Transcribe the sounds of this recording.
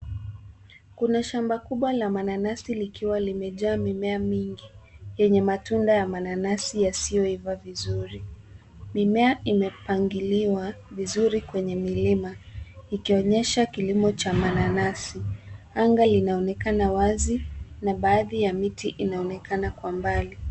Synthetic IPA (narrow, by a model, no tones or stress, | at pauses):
kunaʃambakuɓwalamananasilikiwalimɛʄaːmimɛamiŋɡijɛɲɛmatundajamananasijasijɔivavizuɾi | mimɛaimɛpaŋɡiliwavizuɾikwɛɲɛmilimaikiɔɲɛʃakilimɔt͡ʃamananasi | aŋɡalinaɔnɛkanawazinaɓaːðijamitiʔinaɔnɛkʰanakwambali